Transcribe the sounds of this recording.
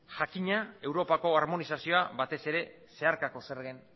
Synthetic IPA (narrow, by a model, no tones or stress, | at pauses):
ʝakiɲae̞wɾo̞pako̞aɾmo̞nisasio̞abat̪e̞se̞ɾe̞ | se̞aɾkako̞se̞ɾɣen